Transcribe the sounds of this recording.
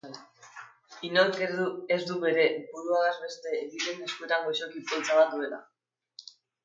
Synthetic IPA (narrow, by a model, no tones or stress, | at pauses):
inoɾkːzd̪uβe̞ɾe̞βuɾuaðazβe̞st̪e̞ðiɾeneskue̞t̪aŋɡo̞ʃo̞kipolt͡saβat̪ue̞la̰